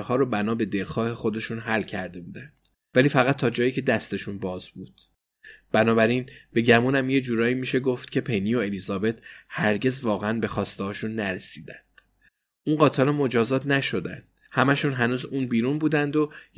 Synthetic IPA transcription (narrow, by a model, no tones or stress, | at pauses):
hɒːɾobænɒːbe̞d̪e̞lxɒːhe̞xo̞d̪e̞ʃunɦælːcʰæɾd̪e̞buːd̪ænd̪̥ | væliːfæɣæt̪ʰːɒːd͡ʒɒːjiːcʰe̞d̪æst̪e̞ʃunbɒːzbuːd̪̥ | b̥ænɒːbæɾinb̥e̞ɟæmuːnæmje̞d͡ʒuːɾɒːiːmiːʃe̞ɡo̞ft̪̚cʲʰe̞pʰe̞nio̞e̞lizɒːbe̞t̪ʰhæɾɟe̞zvɒːɣeænbe̞xɒːst̪ehɒːʃunːæɾe̞siːd̪ænd̪̥ | ʔunɢɒːt̪ʰelɒmo̞d͡ʒɒːzɒːt̪ʰnæʃo̞d̪æ̰nd̪̥ | hæmæʃuːnɦænuːzuːnbiːɾunbuːd̪ænd̪o